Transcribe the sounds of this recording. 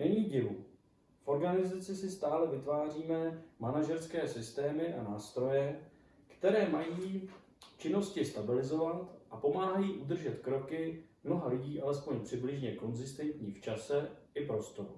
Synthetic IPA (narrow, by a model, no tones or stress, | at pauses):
nɛɲiːɟɪvu | fʔo̞ɾɡanɪzat͡sɪsɪst̪aːlɛvɪt̪vaːr̝iːmɛmanaʒɛɾskɛːsɪst̪ɛːmɪʔanaːst̪ɾo̞jɛ | kt̪ɛɾɛːmajiː | t͡ʃɪno̞scɪst̪abɪlɪzo̞vat̪ʔapo̞maːɦajiːʔud̪r̩ʒɛt̪kɾo̞kɪmno̞ɦalɪɟiːʔalɛspo̞ɲpr̝̥ɪblɪʒɲɛko̞nzɪst̪ɛnt̪ɲiːft͡ʃasɛ | ɪpɾo̞st̪o̞ɾu